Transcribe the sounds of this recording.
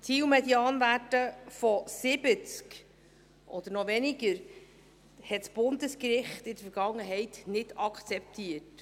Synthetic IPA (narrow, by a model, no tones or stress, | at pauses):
t͡siwmɛdjɑːnvætəfɔsɪbət͡sk | ʔɔd̥̪əɾnɔvɛnɪɡəɾ | hɛtsb̥ʊnd̪əskɾɪχt̪ɪd̥̪əfəɾɡ̥ɑŋːəɦɛɪtnɪdɑkχt͡sɛp̚t̪iːət